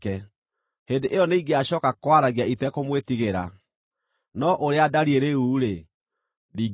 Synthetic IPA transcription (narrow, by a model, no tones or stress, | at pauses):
kɛ | hendeʔejɔneiɡeaɕɔkakwaɾaɣiaitɛkomwetiɣeɾa̰ | nɔʔoɾeadaɾieɾeuːɾe | diɡ